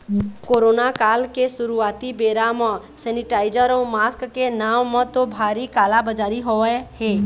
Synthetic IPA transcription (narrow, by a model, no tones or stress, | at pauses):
koːɾoːnakaːlkesʊɾuaːt̪ibeːɾamɔ̃ | sɛnɪʈaːɪd͡ʒəɾõmaːskkenaːmːə̃t̪obʱaːɾikaːlabəd͡ʒaːɾiɦoəhe